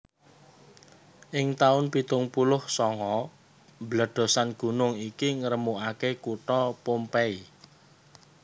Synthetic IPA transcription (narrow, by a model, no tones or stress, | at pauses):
ʔɪŋt̪aʊnpit̪ʊŋpulʊhsɔŋɔ | bləɖ̥ɔ̤sanɡ̥ṳnʊŋikiŋəɾəmuʔakekuʈɔpompɛi